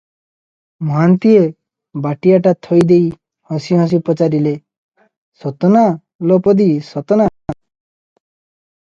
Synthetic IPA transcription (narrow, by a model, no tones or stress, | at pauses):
mant̪ie | baʈiaʈat̪ʰɔjd̪ej | hɔ̃siɦɔ̃s̬ipɔt͡ʃaɾile | sɔt̪ɔna | lɔpɔd̪isɔt̪ɔna